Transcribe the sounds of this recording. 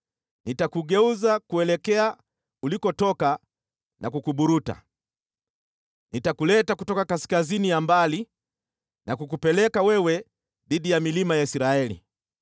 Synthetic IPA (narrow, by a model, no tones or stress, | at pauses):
nitakuɠɛuzakuɛlɛkɛa | ulikɔtɔka | nʔakukuɓuɾuta̰ | nitakulɛtakutɔkakaskazinijambali | nakuk̬upɛlɛkawɛwɛ | ðiɗijamilimajaisiɾaɛlḭ